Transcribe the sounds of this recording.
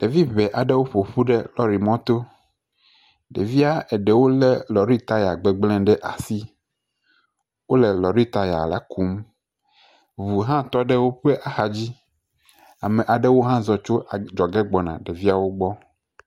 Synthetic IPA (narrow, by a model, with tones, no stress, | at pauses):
ɖ̥e˨vi˦βe˨ʔa˨ɖe˦wo˦ɸo˨ɸu˦ɖe˦lɔ˦ɾi˨mɔ̃˦t̪o˦ | ɖḛ˨vi˦a˦ɛ˨ɖe˨wo˦lɛ˦lɔ˨ɾi˦t̪a˦ja˨ɡ͡be˨ɡ͡blɛ̃˦ɖɛ˦ʔa̰˨si˦ | wo˦le˨lɔ˨ɾi˦t̪a˨ja̰˨la̰˦ku˦m | βu˨ɦã˦t̪ɔ˦ɖɛ˦wo˦ɸe˦ʔa˨xa˨d͡ʑi˦ | a˨mẽ˨ʔa˨ɖe˦wo˦ɦã˦zɔ˨t͡ʃo˦ʔa˨d͡ʒɔ˨ɡɛ˦ɡ͡bɔ˨nã̰˨ɖe˨vi˦a˦wo˦ɡ͡bɔ˦